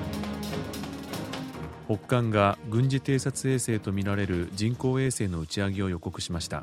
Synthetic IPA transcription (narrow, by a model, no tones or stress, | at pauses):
ho̞kːãŋɡaɡɯ̟̃ɲ̟d͡ʑit̪e̞ːsat͡sɨe̞ːse̞ːt̪o̞mʲiɾaɾe̞ɾɯ̟d͡ʑĩŋko̞ːe̞ːse̞ːno̞ɯ̟t͡ɕiaɡʲio̞jo̞ko̞kɯ̟ɕimaɕi̥t̪a̰